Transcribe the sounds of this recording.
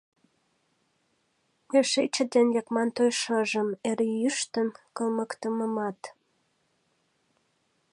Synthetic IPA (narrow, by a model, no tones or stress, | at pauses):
eʃet͡ɕəd̪enjɑkmɑnt̪ojʃəʒəmeɾejyʃt̪əmkəlməkt̪əməmɑt̪